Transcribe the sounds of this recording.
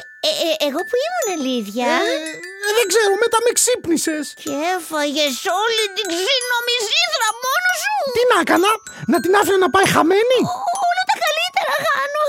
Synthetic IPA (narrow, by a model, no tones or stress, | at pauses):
eːɣo̞puimuneliðʝɐ | ðeɡzeɾumet̪ɐmeksipnisescefɐʝesolit̪iɡzinomiziðɾɐmonosut̪inɐkɐnɐ | nɐt̪inɐfunenɐpɐjxɐmeniolɐt̪ɐkɐlit̪eɾɐxɐno